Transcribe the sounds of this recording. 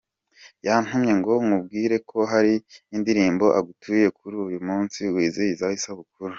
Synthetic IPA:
jan̥humɲe̞ŋɡo̞ŋub̚ɡiːɾe̞kʰo̞ɦaɾiːndiɾiːmbo̞ʔaɡutʰuje̞kʰuɾujumuːnsiwiːzijizahisaβuk̚uɾu

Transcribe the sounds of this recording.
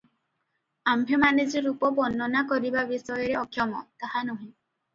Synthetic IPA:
ambʱemanid͡ʒiɾupɔbɔnːɔnakɔɾibabisɔjɔɾeɔkʰjɔmɔt̪aɦanuɦĩ

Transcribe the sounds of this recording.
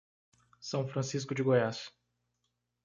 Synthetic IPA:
sɐ̃w̃fɾɐ̃siskʊd͡ʒɪɡojas

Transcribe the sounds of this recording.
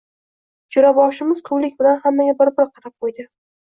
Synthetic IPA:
t͡ʃʰʊɾabɒʃɪmɪzqʰʊwlɪkʲbɪlanhamːaɡʲabɪɾbɪɾqʰɑɾap̚qojd̪ɪ

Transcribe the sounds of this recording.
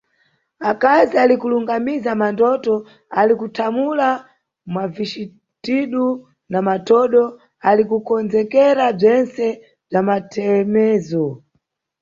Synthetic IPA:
akazialikuluŋɡamizamandɔtɔ | alikutʰamula | mwaviʃi | tiɗu | namatɔɗɔ | alikukɔnzɛkɛɾab͡ʐɛnsɛ | b͡ʐamatʰɛmɛːzɔ

